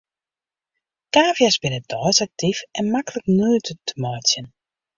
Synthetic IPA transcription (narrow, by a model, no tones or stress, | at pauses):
kaːvjasbɪnəd̥ɔːsak̚tifɛnmakələknyːtʰətəmɔjsjən